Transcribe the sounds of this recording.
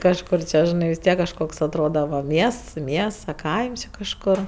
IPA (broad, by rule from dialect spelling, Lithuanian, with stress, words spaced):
kɐʃˈkʊr t͡ʃʲɛ ʒʲɪˈnɐɪ ʋʲɪs ˈtʲiɛk kɐʃˈkoːks ɐtˈroːdɐ ʋɐ ˈmʲiɛsts ˈmʲiɛsts ɐ ˈkɐɪms jɛʊ kɐʃˈkoːr